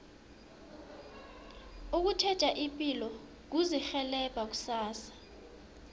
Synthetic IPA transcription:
uk̬utʰɛ̥t͡ʃʼaʔipʼilɔ | k̬uzixɛlɛb̥ʱak̬u̥saːsḁ

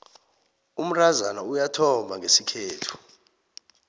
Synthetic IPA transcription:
um̩razanaujatʰɔmʱaŋʱesikʰeːtʰu̥

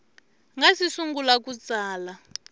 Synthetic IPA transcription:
ŋɡasisuŋɡulakut͡saːla

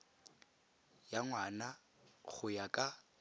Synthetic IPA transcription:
jaŋwana | χʊjakʼa

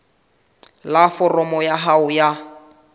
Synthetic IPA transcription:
lafɔrɔmɔjaɦaʊja

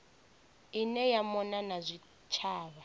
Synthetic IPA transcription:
inɛjamɔnanazʷi | t͡ʃʰaːβa

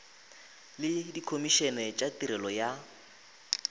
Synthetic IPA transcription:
lɪdikʰomiʃɛnɛt͡ʃʼatiɾɛlɔja

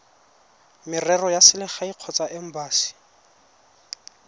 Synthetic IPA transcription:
mɪrɛrɔjasɪlɪχaiq͡χʰɔt͡sʼaʔɪm̩baːsi̥

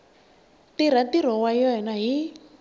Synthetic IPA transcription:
tiɾ̤atiɾ̤ɔwaiɔɦɛnaɦi

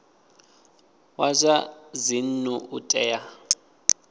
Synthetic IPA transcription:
wazʷazin̩nuʔutʼɛːja

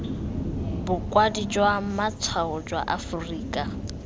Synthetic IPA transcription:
bʊkʼwadid͡ʒwamat͡sʰaɔd͡ʒwa̰ʔafʊriːkʼa

